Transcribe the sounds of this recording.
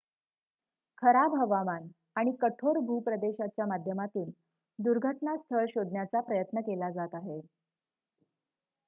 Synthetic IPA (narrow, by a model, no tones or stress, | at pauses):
kʰəɾabʱɦəʋaʋan | aɽ̃ikəʈʰoɾbʱuːpɾəd̪eɕat͡ɕjamad̪ʱjəmat̪iːl | d̪uɾɡʱəʈnast̪ʰəɭɕod̪ʱnjat͡sapɾəjət̪nəkelad͡zat̪aɦe